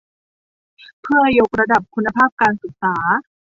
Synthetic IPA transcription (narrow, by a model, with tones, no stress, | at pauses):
pʰɯ˥˩ɐjo˧˦˥k̚ɾa˧da˨˩p̚kʰu˧nːa˧pʰaː˥˩p̚kaː˧nsɯ˨˩k̚saː˩˦